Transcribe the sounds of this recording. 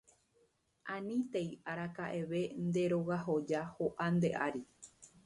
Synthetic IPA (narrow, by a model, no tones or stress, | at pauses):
ʔãnĩt̪e̞jaɾakaʔe̞ʋe̞nd̪e̞ɾo̞ɣaɦo̞d͡ʒahoʔand̪e̞ʔaɾi